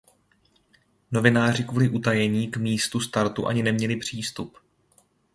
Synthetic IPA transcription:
no̞vɪnaːrɪkvuːlɪʔut̪ajɛɲiːkmiːst̪ust̪aɾt̪uʔa̰ɲɪnɛmɲɛlɪpr̝̥iːst̪up

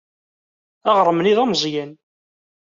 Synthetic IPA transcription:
æʁɾˤəmniðæmzˤjæn

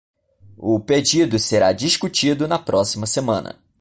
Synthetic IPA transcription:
ʊped͡ʒid̪ʊseɾad͡ʒiʃkut͡ʃid̪ʊnɐpɾɔsimɐsemɐ̃nɐ̰

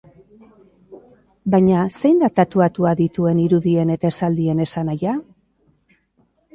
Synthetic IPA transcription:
bajɲase̞jnd̪at̪at̪uat̪uaðit̪ue̞niɾuðie̞ne̞t̪aesald̪ie̞ne̞sanaja

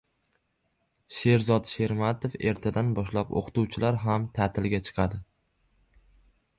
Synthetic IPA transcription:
ʃe̞ɾzɒt̪ʃe̞ɾmat̪ʰofe̞̰ɾt̪ʰad̪anbɒʃlapo̰qʰt̪uwt͡ʃʰɪlaɾɦamt̪ʰat̪ʰɪlɡʲat͡ʃʰɨ̥qʰɑd̪ɪ

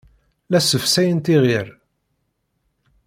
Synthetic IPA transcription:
læsəfsæjənt̪iʁiɾ

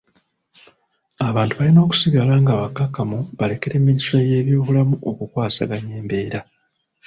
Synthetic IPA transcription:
aβaːntuβalino̞ːku̥siɡalaːŋɡaβakːakamuβale̞ke̞ɾe̞mːinisoje̞ːβjoːβulamuʔo̞kukwaːsa̰ɡaɲe̞ːmbe̞ːɾa

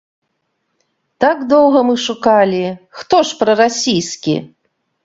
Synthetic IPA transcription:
t̪aɡd̪ɔwɣɐmɨʂukalʲixt̪ɔʂpɾɐɾasʲijskʲḭ

